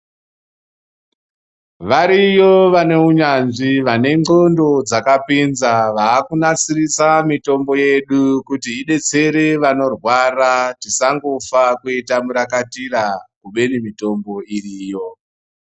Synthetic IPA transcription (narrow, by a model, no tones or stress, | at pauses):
ʋaɾijo̞ʋane̞uɲanʐiʋane̞ŋɡo̞ndo̞d͡zakapinzaʋaːkunat͡sirisamito̞mbo̞je̞ɗukutiiɗe̞t͡se̞ɾe̞ʋano̞rwaratisaŋɡo̞fakuitamuɾakatirakuɓe̞nimito̞mbo̞iriːjo̞